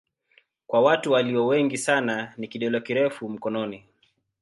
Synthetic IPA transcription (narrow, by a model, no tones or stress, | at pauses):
kwawatuwaliɔwɛŋɡisananikiɗɔlɔkiɾɛfum̩kɔnɔni